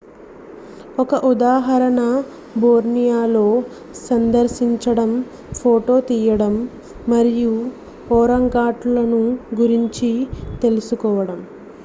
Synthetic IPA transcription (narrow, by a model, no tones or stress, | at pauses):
ɔkɐʔud̪aːɦɐɾɐnɐ | boːɾnijaːlo̞ː | sɐnd̪ɐɾʃiɲt͡ʃɐɽɐm | pʰoːʈo̞ːt̪iːjɐɽɐmː | ɐɾiju | pɔːɾɐŋɡaːʈlɐnuɡuɾiɲt͡ʃit̪e̞lusukɔːʋɐɽɐm